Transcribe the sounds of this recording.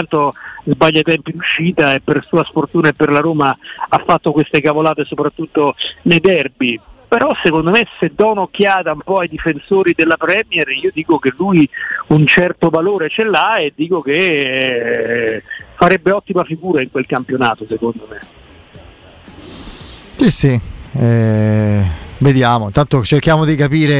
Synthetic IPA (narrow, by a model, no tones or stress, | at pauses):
ant̪ozbaʎːat̪ɛmpinuʃːiːt̪aepːersuːasfort̪uːnaepːerlaɾoːmaafːat̪ːokwest̪ekavolaːt̪esopɾat̪ːut̪ːonejd̪ɛrbipeɾɔsekond̪omesed̪ɔunokːjaːt̪aumpɔajd̪ifensoːɾid̪elːapɾɛmjɛriːod̪iːkokelujunt͡ʃɛrt̪ovaloːɾet͡ʃɛlːaed̪ːiːkok̟e | faɾɛbːeɔt̪ːimafiɡuːɾaiŋkwelkampjonaːt̪osekond̪ome | sisiɛ | ved̪jaːmoint̪ant̪ot͡ʃerkjaːmod̪ikapiːɾe